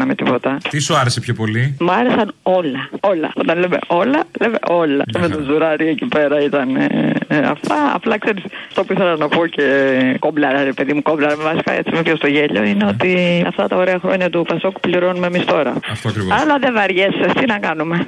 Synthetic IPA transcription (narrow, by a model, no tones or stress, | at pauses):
nɐmit̪ipo̞t̪ɐt̪isuɐɾesepçopo̞limuɐɾe̞sɐno̞lɐo̞lɐ̰o̞t̪ɐnleme̞̰ʔo̞lɐlemḛʔo̞lɐcemet̪ozuɾɐɾiecipe̞ɾɐit̪ɐnḛɐ̰ft̪ɐɐ̰plɐkse̞ɾisft̪o̞puiθelɐnɐpoce̞ko̞mblɐɾɐɾepe̞ðimuko̞blɐɾɐmevɐsi̥kɐ̰ḛt͡simepçost̪o̞ʝeʎo̞̰ineo̞t̪iɐ̰ft̪ɐt̪ɐo̞ɾe̞ɐxɾoɲɐt̪upɐsoku̥pliɾo̞numemist̪o̞ɾɐ̰ɐft̪oɐkɾiɐlɐðevɐɾʝesest̪inɐkɐnume̞